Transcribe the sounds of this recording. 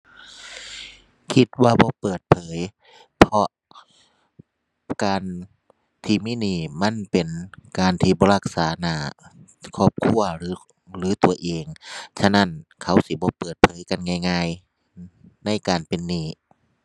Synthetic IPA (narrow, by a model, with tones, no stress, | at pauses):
kʰi˧˥t̪̚waː˧bɔː˧˦pɤː˨˩t̪̚pʰɤː˨˦j | pʰɔ˧ʔ | kaː˨n | t̪ʰiː˧˩miː˧˥˨niː˧˩ma˧˥˨npe˨nkaː˨nt̪ʰiː˧˩bɔː˧˦ɾa˧˩k̚saː˨˦naː˧˩ | kʰɔː˧˥˩p̚kʰu˧˩ɐɾɯː˨˦ | lɯː˨˦t̪u˨˩ɐʔeː˨ŋt͡ɕʰa˧na˧˥˨nkʰa˨˦wsi˧˦bɔː˧˦pɤː˨˩t̪̚pʰɤː˨˦jka˧˨nŋaː˧˩jŋaː˧˨j | na˧˥˨jkaː˨npe˨nːiː˧˩